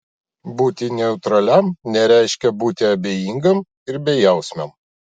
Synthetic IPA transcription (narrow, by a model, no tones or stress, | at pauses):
buːt̪ʲɪnʲɛʊt̪ɾɐlʲɛmnʲɛɾʲæˑɪʃʲkʲɛbuːt̪ʲɪɐbʲejiːŋɡɐm | ɪɾbʲɛjɛˑʊsʲmʲɛm